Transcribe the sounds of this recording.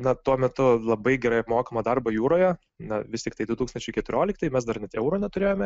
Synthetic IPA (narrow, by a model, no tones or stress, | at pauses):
nɐt̪uɔmʲɛt̪ʊlˠɐbɐɪɡʲɛɾɐɪɐpmoːkɐmɐd̪ɐrbɐjuːɾoːjɛ | nɐʋʲɪsʲt̪ʲɪkt̪ɐɪd̪ʋʲɪt̪uːkst̪ɐnt͡ʃʲɛʊɪkʲɛt̪ʊɾʲoːlʲɪk̚t̪ɐɪmʲɛsd̪ɐrnʲɛt̪ɛʊɾoːnʲɛt̪ʊɾʲeːjoːmʲɛ